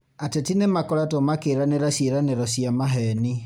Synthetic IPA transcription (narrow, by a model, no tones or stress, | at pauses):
atetinemakɔɾatomakeːɾaneɾasjeɾaneɾɔsiamaɦɛni